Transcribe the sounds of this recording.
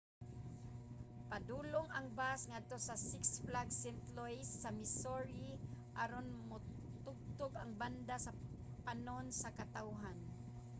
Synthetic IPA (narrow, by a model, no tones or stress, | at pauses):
pad̪uloŋaŋbasŋad̪̚t̪osasɪksflaɡsɛnt̪lojsːamɪsoɹiʔaɾonmʊ | t̪ʊɡ̚t̪ʊɡaŋband̪asa | panonsakat̪awɦan